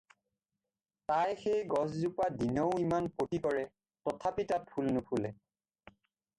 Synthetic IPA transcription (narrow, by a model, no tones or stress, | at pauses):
tajxejɡɔszupadinoʊimanpotikɔɹɛ | tɔtʰapitat̚pʰulnʊpʰulɛ